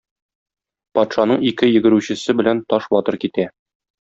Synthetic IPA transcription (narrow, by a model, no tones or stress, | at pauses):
pɒt̪ʃɑnɤɴikɘjɘ̆ɡɘ̆ɾʉɕɘ̆sɘbɘ̆lænt̪ɒʃbɒt̪ɤɾkit̪æ